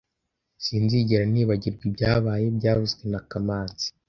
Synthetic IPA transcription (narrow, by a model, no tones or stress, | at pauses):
siːnziɟeɾaniːβaɟiɾɡwibjaːβaje̞bɟaːvuzɡenakamaːnz̥i̥